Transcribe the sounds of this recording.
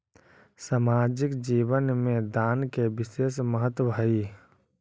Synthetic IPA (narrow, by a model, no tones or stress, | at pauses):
saːmaːd͡ʒɪkd͡ʒiːʋənmẽd̪aːnkebɪʃeːsməɦət̪wəbʱəi